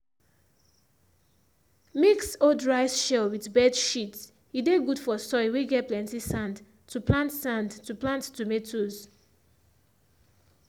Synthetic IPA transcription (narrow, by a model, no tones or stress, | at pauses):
miksodɹaɪsʃɛlwidbɛdʃit | ideɡudfɔsɔjweɡɛplɛ̃ntisãnd | tuplãntsãndtuplãntːumetʰoz